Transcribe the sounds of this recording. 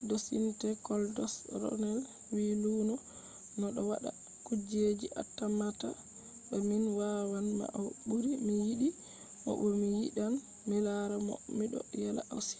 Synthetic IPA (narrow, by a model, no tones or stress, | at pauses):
dosḭntɛkɔldɔsɾɔ̰nɛl | wiluːnɔ | nɔɗɔwaɗa̰ | kud͡ʒed͡ʒiʔa̰tːamata | ɓɛminwawanma̰ʔawɓuɾiminjiɗi | mɔ̰ʔɔmijḭɗan | milaɾamɔ̰miɗɔ̰jala̰ʔawsi̥